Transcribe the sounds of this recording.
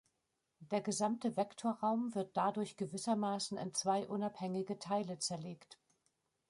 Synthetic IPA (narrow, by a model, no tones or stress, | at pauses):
d̥eːɐɡəzamtəvɛktʰoːɐʁaʊmvɪɐt̚d̥adʊɐçɡ̥əvɪsɐmaːsn̩ɪ̰nt͡sv̥aɪʔʊnaphɛŋɪɡətʰaɪlət͡sɛɐleːkt